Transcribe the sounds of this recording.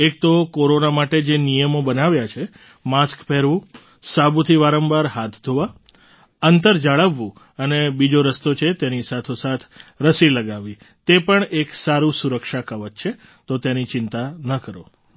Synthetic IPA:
ek̚t̪okoɾonamaʈed͡ʒenijəmobənaʋjat͡ʃʰe | maskpɛɾʋũ | sabut̪ʰiʋaɾəmbaɾɦat̪ʰd̪ʱoʋa | ənt̪əɾd͡ʒaɭəʋːũ | ənebid͡ʒoɾəst̪ot͡ʃʰet̪enisat̪ʰosat̪ʰɾəsiləɡaʋi | t̪epəɳeksaɾũsuɾəkʃakəʋət̪̚t͡ʃʰe | t̪ot̪enit͡ʃɪnt̪anəkəɾo

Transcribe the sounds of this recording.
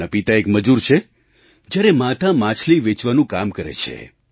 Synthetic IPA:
apit̪aekməd͡ʒuɾt͡ʃʰe | d͡ʒjaɾemat̪amãt͡ʃʰliʋɪt͡ʃʋanũkamkəɾḛt͡ʃʰḛ

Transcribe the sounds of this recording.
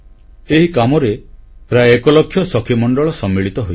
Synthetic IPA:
eɦikamɔɾepɾajekɔlɔkʰːjɔsɔkʰimɔɳɖɔɭɔsɔmːiɭit̪ɔɦoj

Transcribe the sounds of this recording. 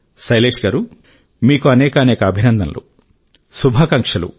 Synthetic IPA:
sɐjleːʂɡɐːɾu | miːkuɐnɛːkɐɐnɛːkɐːbʱinɐnd̪ʱɐ̰nlʔṵ | subʱaːkɐŋkʂɐlṵ

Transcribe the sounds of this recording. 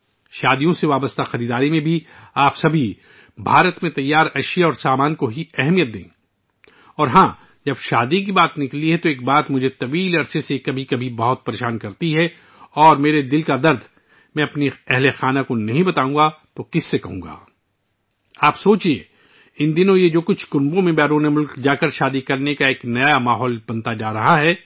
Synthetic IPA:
ʃaːd̪ijõseʋaːbəst̪axɐɾiːd̪aːɾimẽbʱiaːpsɐbʱi | bʱaːɾət̪mẽt̪ɐjːaːɾɐʃijaɔːɾsaːmaːnkoɦiɛɦmijət̪̚d̪ḛ̃ː | ɔːɾɦãː | d͡ʒɐbʃaːd̪ik̬ibaːt̪nɪkliɦɛt̪oeːk̚baːt̪mʊd͡ʒʱet̪ɐʋiːlɐɾsesekɐbʱikɐbʱibɐɦʊt̪̚pɐɾeːʃaːnkɐɾt̪iɦɛ | ɔːɾmeːɾed̪ɪlkad̪ɐɾd̪ʱ | mɛ̃ːɐpniɛɦlexaːnakonɐɦĩbɐt̪aːũːɡat̪okɪsːekɐɦũːɡa̰ː | aːpsoːt͡ʃie | ɪnd̪ɪnõjed͡ʒoːkʊt͡ʃʰkʊ̃nbõmẽbɛːɾoːnemʊlkd͡ʒaːkɐɾʃaːd̪ikɐɾnekaeːknɐjamaːɦɔːlbɐ̃nt̪ad͡ʒaːɾɐɦaɦɛː

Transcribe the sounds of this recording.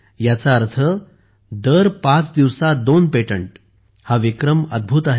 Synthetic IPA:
jat͡saəɾt̪ʰə | d̪əɾpãt͡sd̪iʋsad̪onpeʈəɳʈ | haʋikɾəməd̪̚bʱuːt̪aɦ

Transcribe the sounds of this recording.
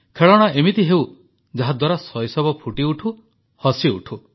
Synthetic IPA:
kʰeɭɔɽ̃aemit̪iɦew | d͡ʒaɦad̪waɾasɔjsɔbɔpʰuʈiuʈʰu | hɔsiṵʈʰu

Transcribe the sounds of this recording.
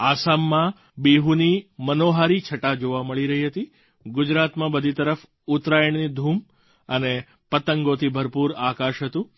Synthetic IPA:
asamːã | beɦunimənoɦaɾit͡ʃʰəʈad͡ʒoʋaməɭiɾəɦiɦət̪i | ɡʊd͡ʒɾat̪mãbəd̪ʱit̪əɾəf | ʊt̪ɾajəɳnid̪ʱum | əne | pət̪əŋɡot̪ʰibʱəɾpuɾakaʃɦət̪ũ

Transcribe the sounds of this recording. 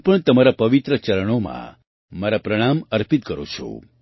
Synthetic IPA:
ɦpəɳt̪əmaɾapəʋit̪ɾət͡ʃəɾəɽ̃omã̰ | maɾapɾəɽ̃aməɾpit̪̚kəɾo̰t͡ʃʰo̰

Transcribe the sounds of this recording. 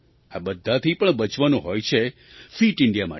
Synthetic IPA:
abəd̪ʱːat̪ʰipəɳbət͡ʃʋanũɦojt͡ʃʰe | fiʈɪɳɖijama̰

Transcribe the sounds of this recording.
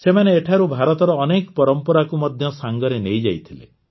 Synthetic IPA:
semaneːʈʰaɾubʱaɾɔt̪ɔɾɔːnekɔpɔɾɔmpɔɾakumɔd̪ʱjɔsaŋɡɔɾenejd͡ʒa̰jt̪ʰilḛ

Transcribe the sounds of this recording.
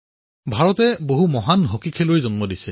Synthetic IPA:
bʱaɹɔtɛboɦumɔɦanɦokikʰelojzɔnmɔdisɛ

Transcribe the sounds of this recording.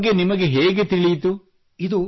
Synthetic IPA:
ɡenimɐɡe̞ɦeːɡet̪iɭit̪u | id̪u

